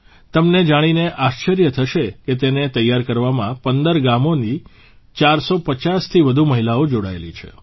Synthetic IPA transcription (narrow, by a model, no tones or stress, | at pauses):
t̪əmned͡ʒaɽ̃ineʔaʃt͡ʃəɾjət̪ʰəʃeket̪enet̪əjːaɾkəɾʋamãpənd̪əɾɡamoni | t͡ʃaɾsopət͡ʃast̪ʰiʋəd̪ʱuməɦilaod͡ʒoɽa̰ḛlḭt͡ʃʰḛ